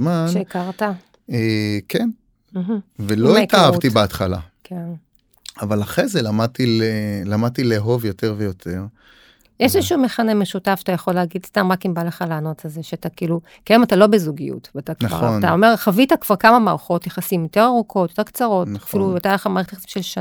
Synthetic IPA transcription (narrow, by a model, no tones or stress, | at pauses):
zmaʃneikaʁta | eken̩ | ɦ̩veloit̪aavt̪ibeat̪χala̰kʰen | avalaχʁezelamad̚t̪ilelamad̚t̪ileɦo̞vjo̞te̞ʁvejo̞t̪ʰeʁ | jʔeʃezʃumeχanemeʃutafʃḁt̪ajaχo̞leaɡidstamʁakimbaleχalano̞t͡sazeʃeatakiːlu | kaomatalo̞bezuɡijṵtvataknaaʁntaomeχavitakv̥aʁkamamaːʁχo̞tjaχasimjote̞ʁaʁukʰo̞tjot̪e̞ʁkt͡saʁo̞tfiluetajaleχamaːetjaχasimʃelʃa